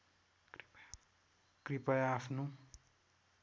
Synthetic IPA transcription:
krp | kripʌjapʰno

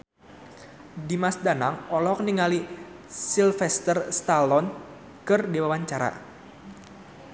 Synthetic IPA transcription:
dimasdanaŋɔlɔk̚niŋali | silfɛst̪ərst̪alɔn | kɨrdiwawaɲt͡ʃaɾa̰

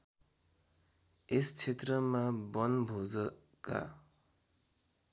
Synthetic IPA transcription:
est͡sʰet̪rʌmabʌnbʱod͡zʌ | ka̰

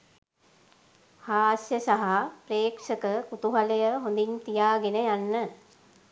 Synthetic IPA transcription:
haːsjəsaɦapreːkʂəkəkut̪uɦaləjəɦond̪int̪ijaːɡenəjanːə

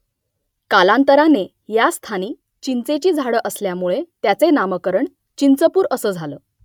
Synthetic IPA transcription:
kalant̪əɾane | jast̪ʰaniː | t͡ɕint͡set͡ɕiːd͡zʱaɽəʔəsljamuɭet̪jat͡senaməkəɾəɳ | t͡ɕint͡səpuːɾəsəːd͡zʱaləː

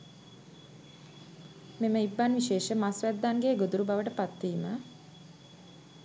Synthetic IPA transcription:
meməibːanʋiʃeːʃəmasʋæd̪ːaːnɡeːɡod̪uɾubaʋəʈəpat̪ːiːmə

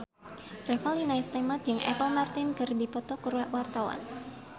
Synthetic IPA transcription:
rɛfalinaɪst̪ɛmad͡ʒɨŋʔɛ̰pəlmart̪ɪnkərdipɔt̪ɔkuɾwaʔwart̪awa̰n

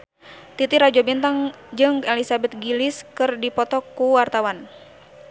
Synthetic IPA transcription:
t̪it̪iɾad͡ʒɔbint̪aŋ | d͡ʒɨŋelisabɛt̪̚ɡilɪskɨrdipɔt̪ɔkːuwart̪awan

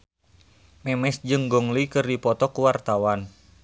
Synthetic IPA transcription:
mɛmɛsd͡ʒɨŋɡɔŋlikɨrdipɔt̪ɔkuwart̪awan

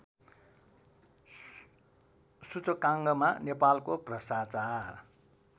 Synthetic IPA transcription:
sut͡sʌkãŋɡʌmanepalkoprʌst̪at͡sar

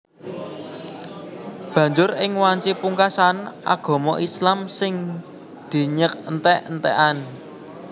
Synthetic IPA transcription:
b̥ä̤ɲd͡ʒʊrɪŋwaɲt͡ʃipuŋkasana̰ɡ̥ɔ̤mɔʔislamsɪŋ | d̪̥i̤ɲək̚nt̪ɛʔnt̪ɛ̰ʔan

